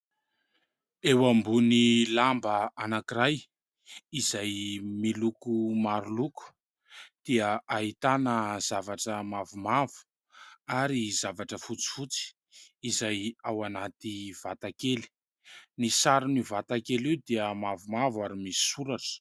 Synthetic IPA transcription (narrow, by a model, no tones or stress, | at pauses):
ewambunilambəanakiɾaj | izajmilukumaɾuluku̥ | d̪̥iəaɦit̪anəz̥avaʈ͡ʂəmavumavu̥ | aɾizavaʈ͡ʂəfut͡si̥fut͡si̥ː | zajawanat̪iv̥at̪akeli̥ | nisaɾunivat̪akeliwd̪iəmavumavaɾimisi̥suɾaʈ͡ʂə̥